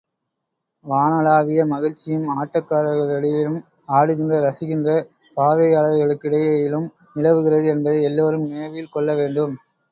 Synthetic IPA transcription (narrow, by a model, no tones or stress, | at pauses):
ʋaːnɐlaːʋɪjɐmɐɣɪɻt͡ʃːɪjɯmaːʈːɐkːaːɾɐɣɐɭɐɽɪɪlɯm | aːɽɯɣɪndrɐɾɐsɪɣɪndrɐ | paːʋɐjaːɭɐʋɣɐɭɯkːɪɽɐjɐjɪlɯm | nɪɻɐʋɯɣɪrɐðɯɛnbɐðɐɪɛlːoːɾɯmneːʋɐjɪlkɔɭːɐʋeːɳɖɯm